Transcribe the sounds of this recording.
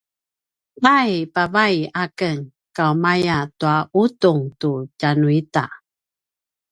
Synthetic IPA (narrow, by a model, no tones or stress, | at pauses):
ajpavajakəŋ | kawmajatuautuŋtucanuita